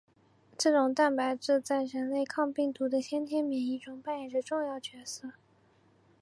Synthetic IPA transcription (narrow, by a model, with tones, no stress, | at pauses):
ʈ͡ʂɤ˥˩ʈ͡ʂʊ˨˩ŋt̪a˥˩npa˨˧˥ɪʈ͡ʂɻ̩˥˧t͡sa˥˩ɪɻə˧˥nle˥˧ɪkʰɑ˥˧ŋpi˥˩ŋt̪u˧˥d̪ə˧t̪ʰjɛ˥nt̪ʰjɛ˥nmjɛ˧˥ni˥˩ʈ͡ʂʊ˨˩ŋpa˥˩njɛ˨˩d̪ə˧˦ʈ͡ʂʊ˥˧ŋjɑ˥˩ʊt͡ɕɥɛ˧˥sɤ˥˩